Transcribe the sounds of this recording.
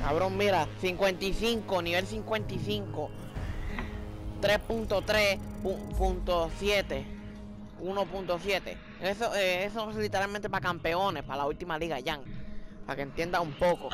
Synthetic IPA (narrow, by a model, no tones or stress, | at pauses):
kaβɾõŋmiɾasiŋkwent̪iθiŋkoniβelsiŋkwe̞nt̪iθiŋko | t̪ɾespunt̪ot̪ɾepupunt̪osjet̪e | unopunt̪osjet̪ḛ | esoeesolit̪eɾalmẽnt̪epakampeonehpalault̪imaliɣaʝaŋpa̰keent̪je̞nd̪aumpoko